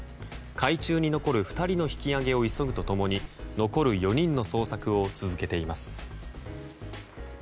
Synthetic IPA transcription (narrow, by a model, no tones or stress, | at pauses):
kʰait͡ɕɨːɲ̟ino̞ko̞ɾɯ̟ɸɯ̟̥t̪aɾʲino̞çi̥kʲiaɡe̞o̞iso̞ɡɯ̟t̪o̞t̪o̞mo̞ɲ̟ino̞ko̞ɾɯ̟jo̞ɲ̟ĩnːo̞so̞ːsakɯ̟o̞t͡sɨzɨke̞t̪e̞imasɨ̥